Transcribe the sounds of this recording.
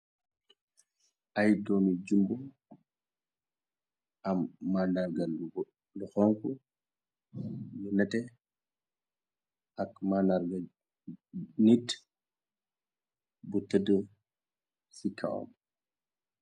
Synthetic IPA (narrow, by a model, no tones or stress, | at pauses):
ʔajdɔmid͡ʒumbu | ʔamːanaɾɡa | luxɔŋku | junɛtɛ | ʔakmanaɾɡa | nit | butədə | sikʰa̰wɔ̰m